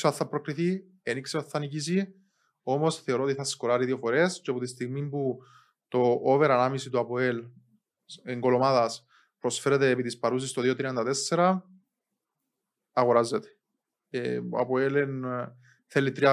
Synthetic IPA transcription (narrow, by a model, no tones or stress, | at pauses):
soθθːɐpɾokɾiθi | enikseoθːɐnicis̬i | o̞mo̞sθe̞o̞ɾot̪iθɐskolaɾiðio̞foɾesceɐpot̪ist̪iɣmimpu | t̪o̞ʔoveɾɐnɐmisit̪uɐpoel | eŋɡo̞lomaðɐs | pɾosfeɾet̪eːpit̪ispɐɾus̬ist̪oðiot̪ɾiɐnd̪ɐt̪esːeɾɐ | ɐɣoɾazːet̪e̥ | eɐ̰poelen | θelːit̪ɾiɐ